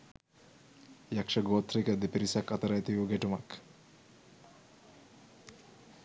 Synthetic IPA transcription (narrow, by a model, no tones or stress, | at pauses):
jakʂɐɡoːt̪ɾikəd̪epiɾisakɐt̪ɐɾɐjt̪iʋuɡɛʈumɐk